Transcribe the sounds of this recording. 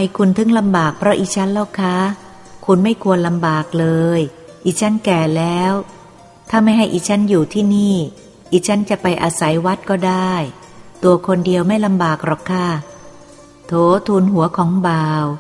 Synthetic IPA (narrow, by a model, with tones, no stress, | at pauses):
pa˧˩jkʰu˧nt̪ʰɯ˦˥˩ŋla˧mbaː˨˩k̚pʰɾɔ˦˥ʔiː˨˩t͡ɕʰa˦˥nla˥˩wkʰa˦˥ | kʰu˧nma˥˩jkʰu˧ənla˧mbaː˨˩k̚lɤː˧j | ʔiː˨˩t͡ɕʰa˦˥nkɛː˨˩lɛː˦˥w | t̪ʰaː˥˩ma˥˩jɦa˥˩jʔiː˨˩t͡ɕʰa˦˥njuː˨˩t̪ʰiː˥˩niː˥˩ | ʔiː˨˧˩t͡ɕʰa˦˥nt͡ɕa˨˩ʔpa˧jʔaː˧sa˩˦jwa˦˥t̪̚kɔː˥˩daː˥˩j | t̪u˧ɐkʰo˧ndi˧əwma˥˩jla˧mbaː˨˩k̚ɾɔ˨˩kkʰːa˥˩ | t̪ʰoː˨˦t̪ʰuː˧nɦu˩˦ɐkʰɔː˩˦ŋbaː˧w